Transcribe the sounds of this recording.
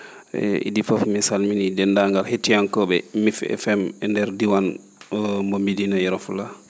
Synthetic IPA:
ɛ̰ḭdifɔfmisalminidɛndaŋɡaɾhetːijaŋkɔbɛmifɛ̰fɛmɛndɛɾdiwan | mbombidinajɛɾɔfla

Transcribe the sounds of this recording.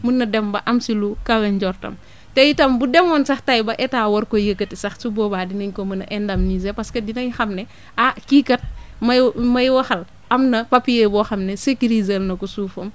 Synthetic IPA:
munːɐdɛmbɐʔɐmsilukɐwɛɲɟɔrtɐ̰m | tɛjitɐmbudɛmɔːnsɐxtɐjbɐʔɛtaːwɐɾkojəkɐtisɐxsubɔːbadinɐɲkomɐnɐʔɛndɐmnizepɐskɐdinɐɲxɐmnɛ | akikɐt̚mɐmɐjwɐxɐl | ʔɐmnɐpapːijebɔːxɐmnesekiɾizɐlnɐkusuːfom

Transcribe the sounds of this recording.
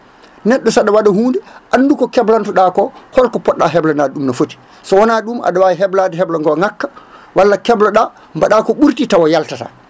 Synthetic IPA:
nɛɗːɔsaɗawaɗahuːndɛʔanːdukɔkɛblantuɗakɔhɔlkɔpɔɗːa̰ɦɛblɔnaːɗumnɔfoti̥ | sɔwɔnaɗumʔa̰dawawiɦɛbladɛɦɛblɔŋɡɔŋakːḁwalːakɛblɔɗa | mbaɗakɔɓuɾtitawɔjaltata̰

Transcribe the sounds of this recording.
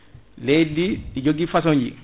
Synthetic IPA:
lejdidid͡ʒoɡːifasɔɲd͡ʒḭ

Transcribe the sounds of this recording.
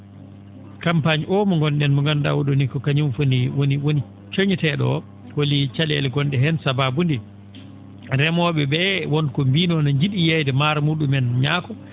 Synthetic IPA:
kampaɲiʔɔmɔŋɡɔnɗɛnmɔŋɡanda̰wɔɗonikɔkaɲumfoniwoniwoni | t͡ʃoɲutɛɗɔ̰ | wolit͡ʃalɛɛ̰lɡɔnɗɛɦɛnsababundi | ɾɛmɔɓɛbɛwɔnkɔmbiːnɔnɔɲd͡ʒiɗijɛjdɛmaɾamuːɗumɛnɲakɔ

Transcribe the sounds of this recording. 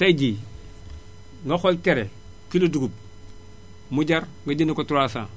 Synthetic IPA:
tajɟi | ŋɡaxolkeɾe | kiloduɡup̚ | muɟaɾŋɡaɟinikotuɾasã̰

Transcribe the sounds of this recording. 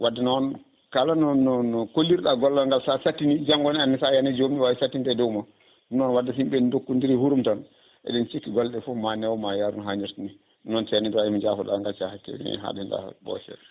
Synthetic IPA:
wadːanɔn | kalanɔnɔnɔkolːiɾɗaɡɔlːaŋɡalsasatːinid͡ʒaŋɡɔnanːisajanɛd͡ʒomiwaisatːintɛdɛwma | nɔnwadːasimɓɛndokːundiɾihuɾumtan | ʔɛ̰ɗɛnt͡ʃikːiɡɔlɗɛfumanɛwmajaːɾunɦaɲiɾtni | nɔntɛnidaimid͡ʒafuɗaŋɡalt͡ʃahakːɛ̰nḭɦa̰ɗinda̰bɔ̰ʃɛ̰ɾ

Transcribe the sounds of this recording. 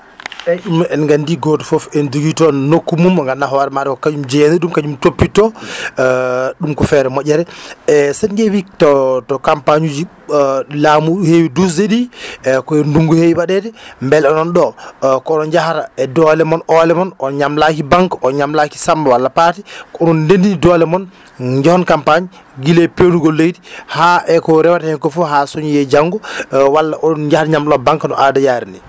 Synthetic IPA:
ʔɛɗumɛnŋɡandiɡɔtɔfɔfɛnduɡitɔnokːumumŋɡanːaɦɔɾɛmaɾɛkɔkːad͡ʒumd͡ʒɛnɛɗumkad͡ʒumtopːitɔ | ɗumkɔfɛɾɛmɔɟɛɾɛsɛnɡewitɔtɔkampaɲud͡ʒi | laːmuhewiduzeɗikɔɛnduŋɡuhewibaɗɛtɛmbɛlɔnɔnɗɔkɔɔnɔɲd͡ʒahataɛdɔlɛmɔnʔɔlɛmɔnɔnɲamlakibaŋkaʔɔɲamlaki̥sambawalːapaːtikɔɔnɔndendidɔlɛmɔn | ɲd͡ʒɔhɔnkampaɲi | ɡilɛpenuɡɔlːejdihaʔɛkɔɾɛwatahɛŋkɔfuhasoɲijɛd͡ʒaŋɡɔwalːaʔɔnd͡ʒahataɲamlɔbaŋkanɔadajaɾini

